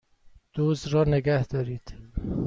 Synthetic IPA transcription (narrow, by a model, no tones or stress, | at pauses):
d̪̥oːzɾɒːneɡæhd̪̥ɒːɾiːd̪̥